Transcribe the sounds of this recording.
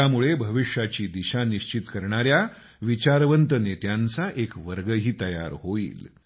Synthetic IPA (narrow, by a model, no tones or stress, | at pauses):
amuɭebʱəʋiʂjat͡ɕiːd̪iɕaniɕt͡ɕit̪kəɾɳ̃aɾja | ʋit͡ɕaɾʋənt̪ənet̪jant͡saʔekʋəɾɡəɦiːt̪əja̰ɾɦoḭːl